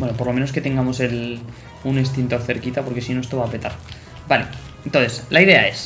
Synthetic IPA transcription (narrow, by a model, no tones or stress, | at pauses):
bwe̞nopo̞ɾlo̞me̞no̞ske̞t̪e̞ŋɡamo̞se̞l | unest̪int̪o̞ɾθe̞ɾkit̪apo̞ɾke̞sino̞est̪o̞βaːpet̪aɾ | bale̞ | ent̪o̞nθeslaiðe̞ae̞s